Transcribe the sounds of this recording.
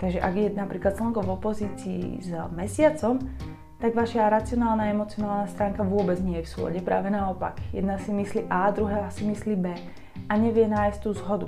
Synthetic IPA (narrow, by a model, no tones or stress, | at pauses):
t̪aɡʒɛʔaɡjɛnapɾiːklat̪slɔŋkɔvɔpɔziːt͡siḭzmɛsɪat͡sɔm | t̪aɡʋaʃaɾat͡siɔnaːlnaːɛmɔt͡siɔnaːlnast̪ɾaːŋkaʋʊɔbɛd͡zɲɪɛjɛfsʊɔ̰ɟɛpɾʔa̰ːʋɛnaɔpa̰ɡjɛ̰d̪nasimisliːʔaːd̪ɾuɦaːsimisliːbɛː | aɲɛʋɪɛnaːjst̪ːuːzɦɔd̪u